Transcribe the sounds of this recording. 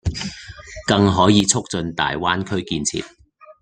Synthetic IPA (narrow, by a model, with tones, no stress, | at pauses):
kɐ˧ŋɦɔː˨˥jiː˨˧t͡sʰʊ˥k̚t͡sɵ˧nt̪a̰ː˨jwaː˥nkʰɵ˥ɥkiː˧nt͡sʰḭː˨t̚